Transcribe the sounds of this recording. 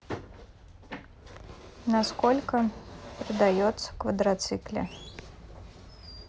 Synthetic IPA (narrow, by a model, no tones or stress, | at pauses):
naskɔlʲkəpʲɾɐd̪ajɔt̪sːə̥kvɐd̪ɾat̪sɨklʲɐ̰